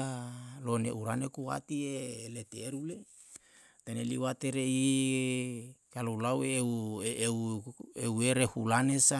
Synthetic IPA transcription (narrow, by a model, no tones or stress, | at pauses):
alonḛʔuɾanekuwa̰t̪ielet̪eːɾule | t̪enelḭwat̪eɾei | kalolawewweweɾehulanesa